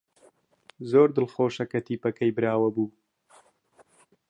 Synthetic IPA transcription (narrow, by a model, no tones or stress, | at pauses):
zoːɾd̪əlxoːʃakat̪ipakajbɾɑːwabu